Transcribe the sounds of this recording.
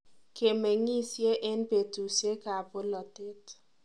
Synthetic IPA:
ke˨me˨ŋi˦sje˦ʔɛ˦npe˨tu˨sje˦ka˨po˦lɔ˨te˦t

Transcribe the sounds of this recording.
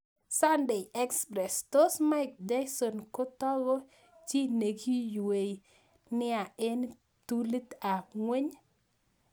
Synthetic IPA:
sa˦nde˨ɛ˦kspɾɛ˨sto˦sma˦ɪk̚d͡ʒa˦jsɔ˨nkʊ˦tɔ˦ɡɔ˦ | t͡ʃi˦ne˨ɡi˦jwe˨j | nɪ˦a˨ɪ˦n | t̪u˦li˦t̪a˨ŋwe˦ɲ

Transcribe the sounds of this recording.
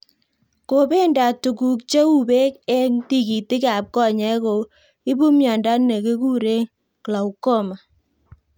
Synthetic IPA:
ko˨be˦nda˨tu˨ku˨kt͡ʃe˦u˦be˦kɛ˦ŋti˦ki˨ti˦ka˨p̚kɔ˦˨ɲɛ˨˦ko˨ | i˦bu˦mjɔ˨nda˦ne˨ke˦ku˦ɾe˦ | kla˨u˨ko˦ma˨

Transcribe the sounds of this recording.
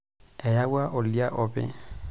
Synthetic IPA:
ɛ˨ja˦wa˦ʔo˨li˦a˦ʔɔːpʼɛ̰˨

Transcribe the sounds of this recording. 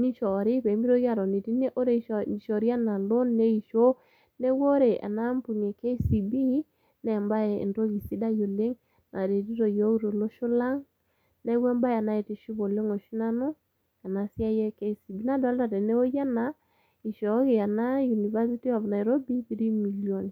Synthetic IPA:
ni˦ʃɔ˨ɾɪ˦pɛ˨˦mi˦ɾo˦ɣja˦˨ɾɔ˨ne˨ti˦ne˦ʔo˦ɾe˨i˨ʃɔ˨ɾi˦a˦na˨lo˦nːe˦i˨ʃo˦ | ne˦wo˦ɾe˨ʔa̰˨na˦mpu˨ne˨ke˦si˨bi˦ | nɛ˨mba˦ḛ˨nto˦ki˨si˦da˦jo˨le˦ŋ | nʔa˨ɾe˨ti˦ɾo˨jo˦ki˦ɾo˨lo˦ʃo˦la˦ŋ | nɛ˦wɛ˦mba˦ja˨na˦e˨te˨ʃu˦bo˨le˦ŋo˨ʃi˦na˦no˦ | a˨na˨sja˦jɛ˦ke˦si˨bi˦na˨dɔ˨˦lta˨te˨ne˦o˦ja˦na˨ | i˨ʃɔ˨˦ke˨a˨na˦ju˨ni˨va˦si˦ti˦ɔ˨vna˨ɛ˨ɾo˦bi˦pi˦ɾi˦mi˨ljo˨ni˨

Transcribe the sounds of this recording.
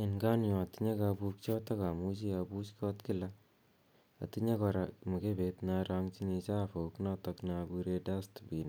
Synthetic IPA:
enɡa˦njɔ˨a˨tiɲa˦kabu˧k̚t͡ʃɔ˦ta˦ka˨mu˦t͡ʃi˦abut͡ʃkʰɔ˦tki˦la | a̰˨tiɲa˦kɔɾamu˨kebetna˧ɾa˧ŋt͡ʃi˦ɲi˧t͡ʃa˦fo˨knɔ˦tɔkna˧bu˧ɾe˧da˦stbi˨n

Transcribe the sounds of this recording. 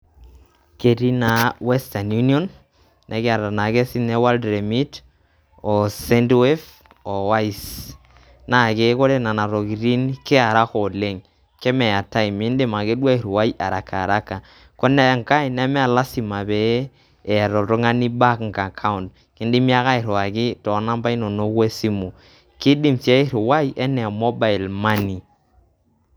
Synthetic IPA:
ke˨ɾi˦na˨wɛ˦sta˨nju˦njɔ˦n | nʔe˨kɪ˦a˨ɾa˨na˨ke˦si˦ne˦wa˦ldɾe˨mi˦t | ɔ˨se˦ndwe˦f | ɔ˨wa˦i˨s | na˨ke˦ko˦ɾe˦na˨na˨ɾo˨ki˨ɾi˦nke˦a˨ɾa˦ko˨le˦ŋ | ke˦mɛ˨a˨ta˦i˨mi˦nde˦ma˨ke˦dwa˦i˨ɾwa˦iʔa˨ɾa˨ka˨ɾa˦ka˨ | ko˦nɛ˦ŋ˨ka˦i˨nɛ˦mɛ˦a˨la˦si˨ma˨beː˨˦˨ | ɾɔ˨tɔ˦ŋa˦ni˦ba˦kŋ˨ka˨kʰa˦ʊ˨nd | kɪ˦ndi˦mi˦a˦ka˦ɪ˨ɾa˨kɪ˦tɔ˨˦na˦mba˦i˦no˨no˦kwe˦si˦mu˨ | kɪ˦di˦msje˦i˦ɾʊ˨wa˦jʔɛ˦nɛ˨mɔ˦ba˨i˨lma˦ni˨

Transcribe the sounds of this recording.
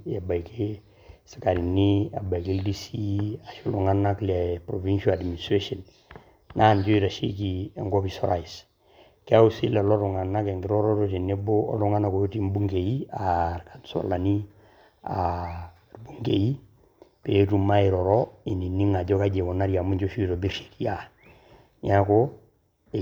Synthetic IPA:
ja˨ba˨jke˦ | si̥˨ka˨ɾi˨ni˦a̰˨ba˨i˨ke˦ldi˦si˦a˨ʃo˦lɔ˨ŋa˦na˦klɛ˨pɾo˨vi˦nʃa˦la˨dmi˨nistɾe˦ʃɔ˨n | na˦˨nd͡ʒo˦i˦ɾa˨ʃḭ˦k̬i˨a˨ŋɡɔ˦pi˨sɔ̰˦ɾa˨i˨s | ke˦a˦u˦si˦lɛ˨lɔ˦ɾɔ˨ŋa˨na˦kɛ˨ŋɡɪ˨ɾɔ˦ɾɔ˦ɾoti˨ne˦bo˦ɔ̰˦lu˦ŋa˦na˨ko˦ti˦mbu˦ŋɡe˨ji˦aɾkansɔ̰˨la˨ni˦ | a | rbu˦ŋɡe˨i˦ | pe˨˦tu˦ma˦i˨ɾɔ˨ɾɔi˨ni˨nːi˦ŋa˨ɟɔ˦ka˦d͡ʒe˨ko˨na˦ɾja˨mu˦ɲd͡ʒoʃu˦i˦ɾo˨bi˦ɾʃi̥kija˦ | ɲa˦ko˨

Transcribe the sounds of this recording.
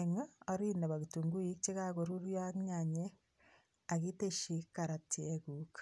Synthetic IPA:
eŋa˦o˦ɾina˨βa˨ɣitu˨ŋɡu˦i˦t͡ʃe˦ɣa˦ɣoɾu˦ɾja˦ɲaɲe˦ | a˨ɣi˦te˦ʃi˨ka˨ɾa˨tieɣukḁ

